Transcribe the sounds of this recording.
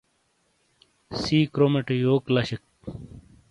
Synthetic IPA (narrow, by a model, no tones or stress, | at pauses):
siːkɾomeʈjoːklɐɕik̚